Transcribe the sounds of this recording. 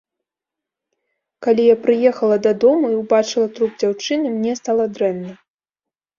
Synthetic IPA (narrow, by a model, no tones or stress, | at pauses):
kalʲijapɾɨjɛxɐlˠɐd̪ɐd̪ɔmuiwbat͡ʂɨlˠɐt̪ɾubd͡zʲawt͡ʂɨnɨmnʲɛst̪alˠɐd̪ɾɛnːɐ